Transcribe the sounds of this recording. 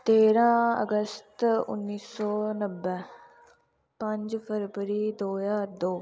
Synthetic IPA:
t̪eːɾãːə̰ɡəst̪ʊ̰nːiːsɔːnəbːɛː | pə̃ɲd͡ʒpʰəɾbəɾiːd̪oːjaːd̪oː

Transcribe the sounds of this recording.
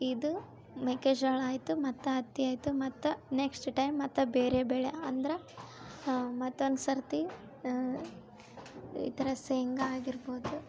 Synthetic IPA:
id̪u | mekeːd͡ʒɡɐɭaːjt̪umɐt̪ːɐɦɐt̪ːiaːjt̪umɐt̪ːuneksʈʈɐjmːɐt̪ːɐbeːɾebeːɭeɐnd̪ɐɾe | mɐt̪ːoɐnsɐɾt̪i | ḭt̪ɐɾɐseŋɡɐaːɡiɾbo̞ːd̪u

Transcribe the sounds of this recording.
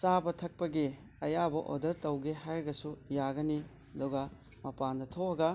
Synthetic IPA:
sabɐtʰɐk̚pɐɡi | ɐjabɐʔo̰dɐɾtɐwɡiɦajɾɡɐsujaɡɐni | ɐduɡɐ | mɐpandɐtʰohɐɡɐ

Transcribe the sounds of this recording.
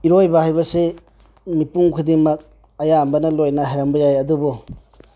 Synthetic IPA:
iɾojbɐhajbɐse | mipuŋkʰɯdiŋmɐk̚ | ɐjambɐnɐlojnɐɦajɾambɐjajɐdubɔ

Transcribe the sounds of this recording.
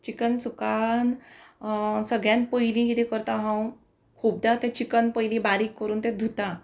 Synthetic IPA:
t͡ɕikənsukan | səɡɭjãnpəjlĩkit̪ɛ̃kəɾt̪ãɦãw | kʰuːb̚d̪at̪ɛ̃t͡ɕikənpəjlĩbaɾiːkːəɾuːnt̪ɛ̃d̪ʱut̪a

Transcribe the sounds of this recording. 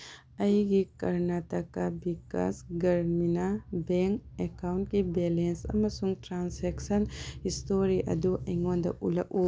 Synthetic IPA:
ɐjɡikɐɾnat̪ɐkabika̰sɡɐɾminabeŋkekawnʈkibelensɐ̰mɐsuŋʈɾaːnseksɐnhist̪oɾiʔɐ̰d̪uʔɐjŋõnd̪ɐ̰ʔṵlɐ̰ʔu

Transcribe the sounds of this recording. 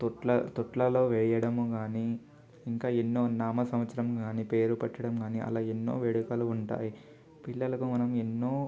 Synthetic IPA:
t̪ɔʈlɐt̪ɔʈlɐlo̞ːʋɛːjɐɽɐmuɡaːni | iŋkaːenːo̞ːnaːmɐsɐmʋɐt̪sɐɾɐmɡaːniːpe̞ːɾupɐʈːɐɽɐmɡaːniʔɐ̰laːenːo̞̰ːʋeɽukɐluːɳʈa̰ːji | piɭːɐlɐkumɐnɐmenːo̞ː

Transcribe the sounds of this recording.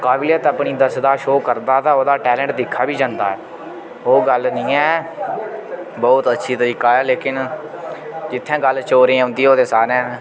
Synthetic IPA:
kaːbɪlət̪əpɳiːd̪əsd̪aːʃoːkəɾd̪aːt̪ãːoːd̪aːʈɛːlɛ̃ːɳʈd̪ɪkʰːaːbiːd͡ʒãːnd̪a̰ːɛː | oːɡəlnĩːɛː | bɔːʊt̪ətːʃʰiːt̪əɾiːkaːɛːleːkɪn | d͡ʒɪt̪ʰːɛ̃ːɡəlt͡ʃoːɾẽːʊ̃nd̪iːoːd̪eːsaːnɛ̃ː

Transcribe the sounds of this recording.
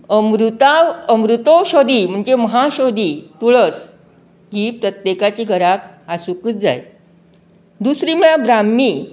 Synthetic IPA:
əmɾut̪aʋəmɾut̪oɕɔd̪iːm̤əɳd͡zeməɦaɕɔd̪it̪uɭəs | kipɾət̪jekat͡ɕiːɡʱəɾakasukuːt͡s̚d͡za̰j | d̪usɾiːməɭabɾamːiː

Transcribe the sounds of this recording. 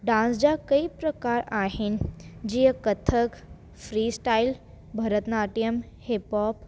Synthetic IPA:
ɖãnsd͡ʑakəipɾəkaɾaɦend͡ʑiːəkət̪ʰək | fɾiːsʈail | bʱəɾət̪naʈijəm | hepɔp

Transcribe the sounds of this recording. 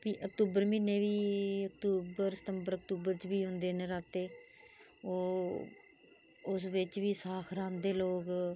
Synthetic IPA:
piːʔək̚t̪uːbəɾmiːnːeːʋiːək̚t̪uːbəɾsə̥t̪əmbəɾək̚t̪uːbəɾt͡ʃʋiːɦʊ̃nd̪eːnẽːɾaːt̪eː | oː | ʊsʋɪt͡ʃʋiːsaːkʰɾãːnd̪eːloːɡ

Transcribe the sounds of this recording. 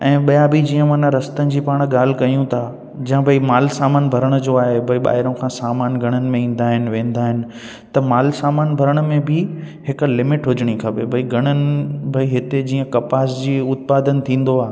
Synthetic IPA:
ɛ̃ːɓɐjabʱid͡ʑiːə̃maːnãɾɐst̪ənɪ̆d͡ʑiːpaːɽ̃ɠaːl̤ɪkɐjũt̪ʰa | d͡ʑɐ̃ãbʱɐimaːlsaːmaːnbʱɐɾəɽ̃ʊd͡ʑoaːɦebʱɐiɓa̰ːɦɪɾõkʰãːsaːmaːnɡʱɐɽ̃ən̆mẽĩːn̆d̪aːɦɪnɪʋẽːn̆d̪aːɦɪnɪ̆ | t̪ɐmaːlsaːmaːnbʱɐɾəɽ̃mẽbʱɪ | ɦɪklɪmɪʈɦʊd͡ʑɽ̃ikʰɐpebʱɐiɡʱɐɽ̃ənɪ̆bʱɐiɦɪt̪ed͡ʑiːə̃kɐpaːsd͡ʑiːʊt̪̚paːd̪ənt̪ʰĩːn̆d̪oaːɦ

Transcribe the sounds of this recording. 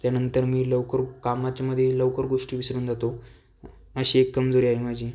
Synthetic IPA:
t̪janənt̪əɾmiːləʋkəɾkamat͡ɕjaməd̪ʱːjeləʋkəɾɡoʂʈiːʋisɾuːnd͡zat̪o | əɕiekːəmd͡zoɾiːaimad͡ʑiː

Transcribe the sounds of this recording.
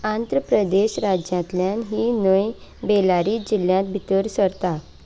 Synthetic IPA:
and̪ɾəpɾəd̪eɕɾad͡ʑjãt̪ljãnɦiːnəjbelaɾiːd͡ʑiljãt̪̚bʱit̪əɾsəɾt̪a

